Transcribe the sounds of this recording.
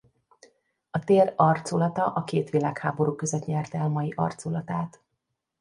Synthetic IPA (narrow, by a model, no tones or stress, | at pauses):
ɒt̪eːrɒrt̪sulɒt̪ɒʔɒkeːt̪ʋilaːkhaːbo̞ɾuːkøzɛt̪ɲɛrt̪ɛlmɒjiʔɒ̰rt̪solɒt̪aːt̪